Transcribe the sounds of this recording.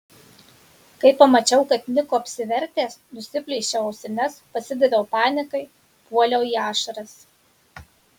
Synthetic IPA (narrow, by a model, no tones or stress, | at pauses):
kɐɪpːɐmɐt͡ʃʲɛʊkɐt̪nʲɪkoːɐpʲsʲɪʋʲɛɾʲt̪ʲeːsnʊsʲɪpʲlʲɛːʃʲɛɐʊsʲɛnʲɛspɐsʲɪd̪ʲɛd̪ʲɛʊpɑːnʲɪkɐɪ | puɔlʲoːiːɑːʃɐɾɐs